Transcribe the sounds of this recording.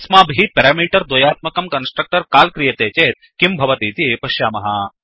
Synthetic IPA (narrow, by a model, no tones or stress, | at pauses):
smaːbʱipeɾaːmiːʈɐɾd̪ojaːt̪̚mɐkɐmkɐnsʈɾɐk̚ʈɐɾkaːlkɾijɐt̪eːt͡ʃeːt̪̚ | kimbʱɐʋɐt̪iːt̪iepɐʃjaːmɐɦaː